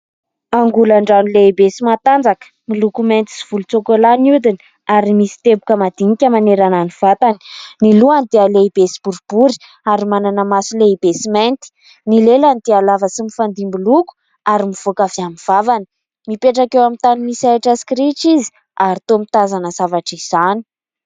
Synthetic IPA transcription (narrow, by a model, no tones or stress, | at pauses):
aŋɡulaɳɖ͡ʐanilebesimat̪and͡zakə̥milukument̪i̥siv̥ulut͡sokolanud̪ini | aɾimisi̥t̪ebukəmad̪̥iŋikʲəmaneɾananiv̥at̪ani̥niluanid̪ealeibesi̥b̥uɾub̥uɾi̥ | aɾimananəmasileib̥esiment̪i̥ | nileland̪ealavəsimifand̪imbiluku̥ | aɾimiv̥okaviamiv̥avani̥ | mipeʈ͡ʂakewamint̪animisajʈ͡ʂaskɾiʈ͡ʂizi̥ | aɾit̪omit̪azanəzavaʈ͡ʂiz̥ani̥